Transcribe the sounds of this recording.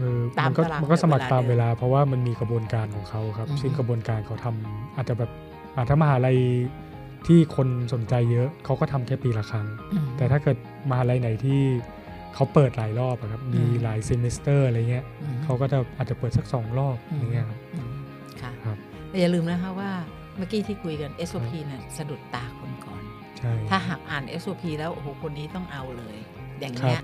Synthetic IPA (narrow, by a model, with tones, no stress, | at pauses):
ʔɤː˧ma˧nkɔː˥˩ma˧nkɔ˥˩sa˧ma˨˩k̚t̪aː˧mweː˧laː˧pʰɾɔ˦˥waː˥˩ma˧nmiː˧kɾa˧bu˧ənkaː˧nkʰɔː˩˦kʰa˦˥wkʰa˦˥p̚si˥˩ŋkɾa˧bu˧ənkaː˧nkʰa˦˥wt̪ʰa˧mʔaː˨˩t̪̚t͡ɕa˨˩bɛː˨˩p̚ | ʔaː˨˩t̪ʰa˥˩ma˧ɦaː˩˦˥ɾa˧j | t̪ʰiː˥˩kʰo˧nso˨˩˦nt͡ɕa˧jːɤ˦˥kʰa˦˥wkɔː˥˩t̪ʰa˧mkʰɛː˥˩piː˧˩la˨˧kʰaː˧ŋ˧t̪ɛː˨˩aː˥˩kɤː˨˩t̪̚ | ma˧haː˩˦˥ɾa˧jna˨˩˦jt̪ʰiː˥˩ | kʰa˦˥wpɤː˨˩t̪̚laː˩˦jlɔː˥˩p̚a˨˩kʰa˦˥p̚miː˧laː˩˦jse˧me˦˥st̪ɤː˥˩a˧ɾa˧jːa˨˩ŋːi˦˥ɐ˧kʰa˦˥wkɔː˥˩t͡ɕa˨˩ʔaː˨˩t͡ɕa˨˩pɤː˨˩t̪̚sa˦˥k̚sɔː˩˦ŋlɔː˥˩p̚ɾa˧˩ŋːi˦˥ɐkʰa˦˥p̚ɯ˧˩ | kʰa˦˥˩kʰa˦˥p̚ | lːjaː˨˩lɯː˧mlɛ˦˥kʰa˦˥waː˥˩ | ma˦˥˩kiː˧˩t̪ʰiː˥˩kʰu˧jka˧nʔe˦˥sʔoː˧pʰiː˧ni˦˥˩ɐsa˧du˨˩k̚t̪aː˨˩kʰo˧nkɔ̰ː˨˩n | t͡ɕʰa˥˩j̪ʰaː˥˩ɦaː˨˩k̚ʔaː˨˩nʔe˦˥sʔoː˧pʰiː˧lɛː˦˥wʔo˧˩hoː˨˩˦kʰo˧nːiː˦˥t̪ɔ˥˩ŋʔa˧wlɤː˧j | ja˨˩ŋːkʰɾa˦˥ɐp̚